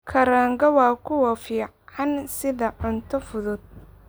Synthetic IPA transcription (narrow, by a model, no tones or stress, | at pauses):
kʰɐɾaːŋɡɐwɑːkʰʊwɑfiː | ɑnsɪðɐʕʊnt̪ʰɔfʊðʊd̪̚